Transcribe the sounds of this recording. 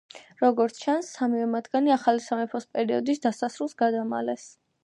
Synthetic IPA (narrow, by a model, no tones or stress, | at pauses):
ɾɔɡɔɾt̪sʰt͡ʃʰansːamivɛmad̪ɡaniaχalisamɛpʰɔspʼɛɾiɔd̪isd̪asasɾulˠsɡad̪ama̰lɛs